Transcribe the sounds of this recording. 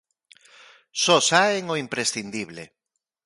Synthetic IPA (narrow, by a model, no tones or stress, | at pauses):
sɔsaeŋoimpɾesθind̪iβlḛ